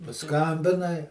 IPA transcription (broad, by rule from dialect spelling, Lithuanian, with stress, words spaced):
pɐˈskɐmʲbʲɪnɐɪ